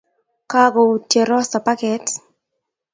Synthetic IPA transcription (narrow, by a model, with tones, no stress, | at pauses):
ka˦ɡɔ˨u˨tje˨ɾɔ˦sa˨pa˦kɛ˨t